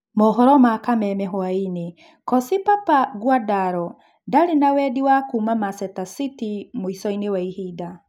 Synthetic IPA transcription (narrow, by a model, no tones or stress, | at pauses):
mɔɦɔɾɔmakamɛmɛɦɔaine | kɔsipapaɡwadaɾɔ | daɾenawɛdiwakuːmamasɛtasitimoisɔinewaihida